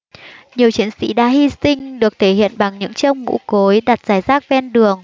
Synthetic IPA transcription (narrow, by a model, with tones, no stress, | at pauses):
ɲi˨˩əwt͡ɕi˨˦ənsḭ˧˥ɗa̰ː˧˥hi˧sï˧ŋ̟ɗɨ˨˩ək̚t̪ʰe˧˩hḭ˧˨ənɓa˨˩ŋɲɨ̰˧˥ŋt͡ɕə˧wŋ͡mŋṵ˧˥ko˨˦jɗa˨˩t̚z̥aː˧˩jzaː˦˥k̚vɛ˧nɗɨ˨˩əŋ